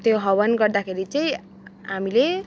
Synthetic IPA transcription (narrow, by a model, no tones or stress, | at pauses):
t̪joɦʌbʌnɡʌrd̪akʰeɾit͡sʌĩ | amile